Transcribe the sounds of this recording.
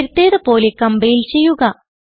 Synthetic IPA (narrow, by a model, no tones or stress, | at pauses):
ɾut̪ːeːðɨpo̞ːlekɐmbɐjilt͡ɕe̞jːuɣɐ